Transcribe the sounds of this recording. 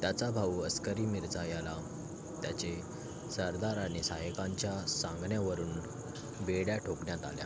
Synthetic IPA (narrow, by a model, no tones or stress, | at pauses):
t̪jat͡sabʱauəskəɾiːmiɾt͡sajala | t̪jat͡ɕe | səɾd̪aɾaɽ̃isaɦəkaɲt͡ɕjasãŋɡɳjaʋəɾuːn | beɽjaʈʰokɳjat̪a̰lja̰